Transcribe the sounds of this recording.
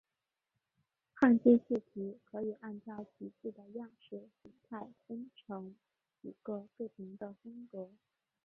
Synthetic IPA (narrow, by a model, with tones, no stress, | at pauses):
xa˥˧nt͡ɕɛ˥˧ɕ̩˥˩t̪ʰi˧˥kʰɤ˧˥i˨˩ʔa˥˧nʈ͡ʂɑ˥˩ʊt͡ɕʰi˧˥t͡ɕi˥˩d̪ə˩jɑ˥˧ŋʂɻ̩˥˩ɕi˧˥ŋt̪ʰa˥˩ɪfə˥ŋʈ͡ʂʰɤ˧˥ŋ | i˧˨˩ɡ̥ə˥˧kɤ˥˩p̪ʰi˧˥ŋd̪ə˧fʊ˥ŋkɤ˧˥